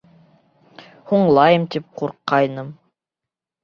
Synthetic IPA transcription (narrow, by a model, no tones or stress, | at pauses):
huɴlˠɑjɤmt̪ip̚quɾqːɑjnɤm